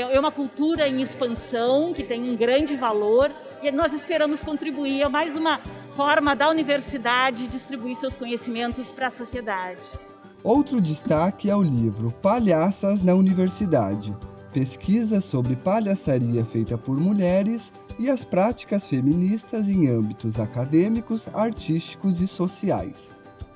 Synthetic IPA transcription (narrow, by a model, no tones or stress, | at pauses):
ɛũmɐkult̪uɾɐẽj̃espɐ̃sɐ̃w̃kɪt̪ẽj̃ũɡɾɐ̃nd͡ʒɪvaloɾ | ɪnɔzɪspeɾɐ̃mʊskõnt̪ɾibuiɐmajzũmɐ | fɔɾmɐd̪ɐuniveɾsid̪ad͡ʒɪd͡ʒist̪ɾibuiɾsewskõɲesimẽnt̪ʊspɾɐsosied̪ad͡ʒɪ | owt̪ɾʊd͡ʒist̪akɪɛʊlivɾʊpaʎasɐznɐuniveɾsid̪a̰d͡ʒɪ | peskʰizɐsobɾɪpaʎasaɾiɐfejt̪ɐpoɾmuʎɛɾɪs | ɪɐspɾat͡ʃi̥kɐsfeminist̪ɐzẽj̃ɐ̃mbit̪ʊzakad̪ẽmikʊsaɾt͡ʃist͡ʃi̥kʊzɪsosia̰js